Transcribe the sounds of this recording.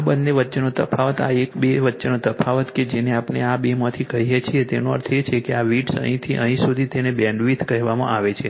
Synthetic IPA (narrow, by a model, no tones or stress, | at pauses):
abənːeʋətːʃenot̪əfʰaʋət̪a̰ekbeʋətːʃenot̪əpʰaʋət̪ked͡ʒeneapɳeabemat̪ʰikəɦijet͡ʃʰiet̪enoə̰ɾt̪ʰet͡ʃʰekeaʋiʈsə̰ɦĩt̪ʰiʔə̰ɦĩsud̪ʱit̪enebɛ̃ɳɖʋit̪ʰkəɦʋamã̰ʔaʋet͡ʃʰe